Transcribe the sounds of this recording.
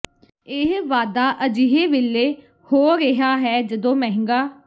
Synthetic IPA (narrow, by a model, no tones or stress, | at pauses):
ɪɦʋaːd̪aːʔəd͡ʒiɦeːʋɪlːeː | hoːɾɪɦaːɦɛːd͡ʒəd̪õːmɛ̃ːɦɪ̃ŋɡaː